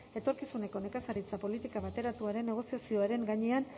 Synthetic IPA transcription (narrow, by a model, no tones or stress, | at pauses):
e̞t̪o̞ɾkisune̞ko̞ne̞kasaɾit͡sapo̞lit̪ikaβat̪e̞ɾat̪uaɾe̞nːe̞ɣ̞o̞siasio̞aɾe̞ŋɡaɲe̞an